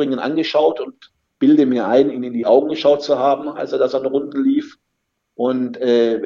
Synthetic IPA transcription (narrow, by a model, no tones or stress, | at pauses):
ʁɪŋənʔa̰nɡəʃaʊtʊnt | b̥ɪldəmiːɐʔaɪniːnɪndiːʔaʊɡŋ̩ɡəʃaʊt̚t͡suhaːbm̩a̰lseɐdasanʁʊndn̩liːf | ʔʊntʔɛː